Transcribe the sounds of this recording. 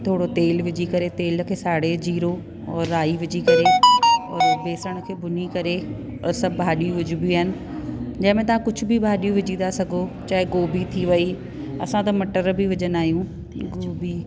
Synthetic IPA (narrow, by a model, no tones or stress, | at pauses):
t̪ʰoːɽot̪eːlʋɪd͡ʑikɐɾet̪eːlkʰeːsaːɽed͡ʑiːɾo | ɔːɾːaːiʋɪd͡ʑikɐɾeɔːɾbeːsəɽ̃ə̆kʰeːbʊnikɐɾe | ɔːɾsɐbʱbʱaːɗijũʋɪd͡ʑubiiaːɦɪnɪ̆ | d͡ʑɐ̃ɦɪ̃mẽt̪̬ɐʋ̤ãkʊd͡ʑʱʊ̆bɪbʱaːɗijũʋɪd͡ʑĩːnd̪asɐɡʱot͡ɕaːɦeɡoːbit̪ʰiʋɐi | ɐ̰sãt̪ɐmɐʈəɾbɪʋɪd͡ʑənaːɦijũ | ɡoːbi